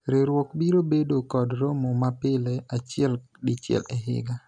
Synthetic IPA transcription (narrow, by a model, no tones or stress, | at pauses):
ɾeɾwɔkbiɾobedokɔdɾomomapɪlɛat͡ʃɪɛl | dɪt͡ʃɛ̰lɛɦɪ̰ɡa